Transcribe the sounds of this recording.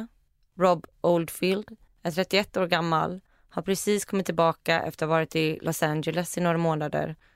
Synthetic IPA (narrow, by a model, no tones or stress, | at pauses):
ɾɔbʔɔld̪fild̪ | æʈ̪ʰɾɛt̪ːɪɛt̪ːoːɾɡamːa̰l | haɾpʰɾɛsiːskʰɔmːɪt̪ːɪlbɑːkaʔɛ̰ft̪əɾavɑːɾɪt̪ɪlʔɔsand͡ʒɛlɛsɪnoːɾamoːnad̪ə̰ɾ